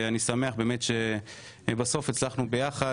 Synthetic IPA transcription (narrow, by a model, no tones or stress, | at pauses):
anisame̞aχbe̞ːmetʃe | baso̞fet͡slaχnubejaχa